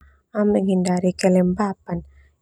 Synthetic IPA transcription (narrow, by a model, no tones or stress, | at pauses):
amɛŋhindaɾikɛlɛmbapan